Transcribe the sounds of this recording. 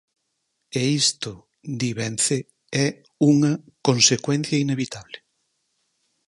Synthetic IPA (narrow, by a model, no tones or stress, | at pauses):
eist̪ʊ | d̪iβenθe | ɛ | uŋɐ | konsekwɛn̟θjɐineβit̪aβlɪ